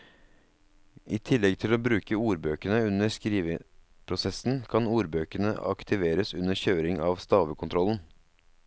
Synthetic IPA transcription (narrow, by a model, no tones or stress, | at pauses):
ʔiːt̪ʰɪlːɛɡt̪ʰɪloːbɾʉːkəuːɾbøːkəɳəʉnəskɾiːʋə | pʰɾʊsɛsn̩kʰɑnuːɾbøːkəɳə̰ɑ̰kt̪ʰɪʋeːɾəsʉnəçøːɾɪŋɑːʋst̪ɑːʋəkʰʊnt̪ʰɾɔln̩